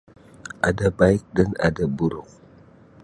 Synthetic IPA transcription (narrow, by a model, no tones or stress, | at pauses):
adabajk̚dana̰dabuɾuk̚